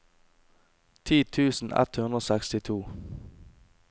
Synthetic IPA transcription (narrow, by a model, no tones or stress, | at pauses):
t̪ʰiːt̪ʰʉːsn̩ɛ̰t̪hʉnd̪ɾoːsɛkst̪ɪt̪ʰuː